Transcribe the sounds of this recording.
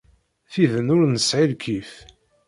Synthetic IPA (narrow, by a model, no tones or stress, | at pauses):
θiðənʊɾnəsʕilkʰif